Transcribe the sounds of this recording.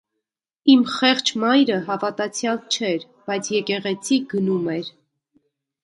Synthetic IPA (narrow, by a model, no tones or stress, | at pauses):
imχɛχt͡ʃʰmɑjɾəɦɑvɑt̪ɑt͡sʰjɑlt͡ʃʰɛɾ | b̥ɑjt͡sʰjɛkɛʁɛt͡sʰiɡənumɛɾ